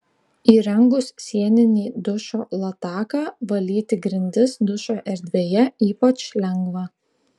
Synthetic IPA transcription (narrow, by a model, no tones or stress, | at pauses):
iːɾɛŋɡʊsːʲiɛnʲɪnʲiːd̪ʊʃoːlˠɐt̪ɑːkɑːʋɐlʲiːt̪ʲɪɡɾʲɪnʲd̪ʲɪsd̪ʊʃoːʔɛɾʲd̪ʲʋʲeːjɛiːpɐt͡ʃlʲɛŋɡʋɑː